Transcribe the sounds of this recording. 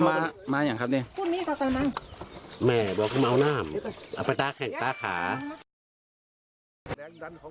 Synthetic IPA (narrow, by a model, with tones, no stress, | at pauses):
maː˧˥maː˧˨ɲaː˧˩˨kʰa˧p̚niː˧˨kʰuː˧˨miː˧˥˨ka˧˩ka˧˨ma˧˥ŋ | mɛː˧˩bɔː˧˦kʰɯ˧˩˨a˧wnaː˧˥˩mʔa˧˩pa˧jt̪aː˧kʰɛː˧˩ŋt̪aː˧˨kʰa̰ː˨˦